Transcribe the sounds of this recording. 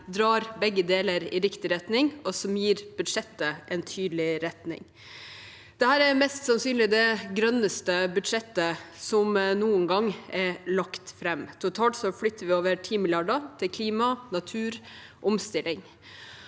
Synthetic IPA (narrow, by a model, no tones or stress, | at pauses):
d̪ɾɑːɾbɛɡːəd̪eːləɾɪɾɪkt̪ɪɾɛt̪nɪŋɔsɔmjiːɾb̥ʉd̪ʂɛt̪ːəʔɛnt̪ʰyːd̪lɪɾɛt̪nɪ̰ŋ | d̪̥ɛhæːɾæɾmɛst̪sɑnsyːnlɪd̪ɛɡɾœnəst̪əbʉd̪ʂɛt̪ːəsɔmnuːənɡɑŋːɛlɑkt̪fɾɛmt̪ʰʊt̪ʰɑːlt̪sɔflʏt̪ːəɾʋɪoːʋəɾʈʰiːmɪljɑɖət̪ʰɪkʰliːmɑnɑt̪ʰʉːɾ | ʔɔmst̪ɪlɪŋ